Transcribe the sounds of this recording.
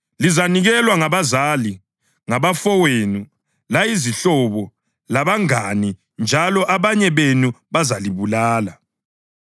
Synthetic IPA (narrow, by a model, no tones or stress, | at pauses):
lizaniɣɛlwaŋaβazali | ŋaβafɔwenu | laiziɬɔβɔ | laβaŋani | nd͡ʒʱalɔʔaβaɲɛβenuβazaliβulaːla